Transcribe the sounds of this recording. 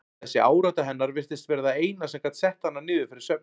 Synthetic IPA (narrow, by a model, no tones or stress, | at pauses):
θɛsːɪaːwɾat̪aɦɛnːaɾvɪr̥t̪ɪst̪vɛːɾðaeːjnasɛmkat̪sɛht̪hanːanɪːðɪfɪɾɪɾ̥sœp̚